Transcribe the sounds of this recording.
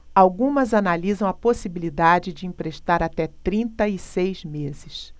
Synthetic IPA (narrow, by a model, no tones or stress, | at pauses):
awɡũmɐzanalizɐ̃w̃ɐposibilid̪ad͡ʒɪd͡ʒɪĩpɾeʃt̪aɾat̪ɛt̪ɾĩnt̪ɐɪsejzmezɪs